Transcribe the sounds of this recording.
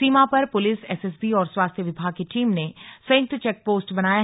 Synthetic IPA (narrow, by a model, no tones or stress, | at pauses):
iːmãpɐɾpʊlɪsɛːsɛs̬biɔːɾswaːst̪ʰjəʋɪbʱaːɡ̚keʈiːmnesɐ̃jɪk̚t̪t͡ʃɛk̚poːsʈbɐnaːja